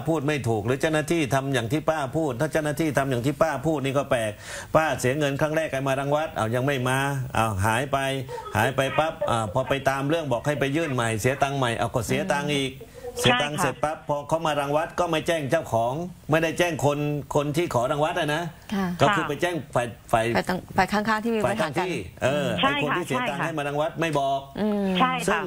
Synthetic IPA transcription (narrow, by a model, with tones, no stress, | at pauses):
pʰuː˥˩t̪̚ma˥˩jt̪ʰuː˨˩k̚ɾɯː˨˦t͡ɕa˥˩wnaː˧˥˩t̪ʰiː˥˩t̪ʰa˧mjaː˨˩ŋt̪ʰiː˥˩paː˥˩pʰuː˥˩t̪ʰːaː˥˩t͡ɕa˥˩wnaː˥˧t̪ʰiː˥˩t̪ʰa˧mjaː˨˩ŋt̪ʰiː˥˩paː˥˩pʰuː˥˩t̪̚niː˥˩kɔː˥˩pɛː˨˩k̚paː˥˩si˨˩˦ɐŋɤ˧nkʰɾaː˥˩ŋɾɛː˥˩k̚pa˧jmaː˧ɾaː˧ŋwa˦˥t̪̚ʔa̰ː˧˩wja˧ŋma˥˩jmaː˧ʔa̰ː˧˩ɦaː˩˦jpa˧jha̰ː˩˦jpa˧jpa˦˥p̚ʔaː˧˩pʰɔː˧pa˧jt̪aː˧mɾɯ˥˩əŋbɔː˨˩k̚ha˥˩jpa˧jːɯː˥˩nma˨˩jsi˨˦ɐt̪aː˧ŋma˨˩jʔa̰˧˩wkɔː˥˩si˨˦ɐt̪aː˧ŋʔiː˨˩k̚ | se˨˦t̪aː˧ŋse˨˩t̪̚pa˦˥pʰːɔː˧kʰa˦˥˩wmaː˧ɾa˧ŋwa˦˥t̪̚kɔː˥˩ma˥˩jt͡ɕɛː˥˩ŋt͡ɕaː˥˩wkʰɔː˨˩˦ŋma˥˩jda˥˩jt͡ɕɛː˥˩ŋkʰo˧nkʰo˧nt̪ʰiː˥˩kʰɔː˩˦ɾa˧ŋwa˦˥t̪̚ʔa˧˩na˦˥˩kɔː˥˩kʰɯː˧˩˧pa˧jt͡ɕɛː˥˩ŋfaː˨˩jfaː˨˩jfaː˨˩jkʰaː˥˩ŋkʰaː˥˩ŋt̪ʰiː˥˩˧faː˨˩kʰaː˧˩ŋt̪ʰiː˥˩ʔɤː˧ʔa˧jo˧nt̪ʰiː˥˩si˨˦ə˧t̪aː˧ha˥˩jmaː˧ɾaː˧ŋwa˦˥t̪̚ma˥˩jbɔː˨˩k̚ːʰsɯ˥a˩˧ŋ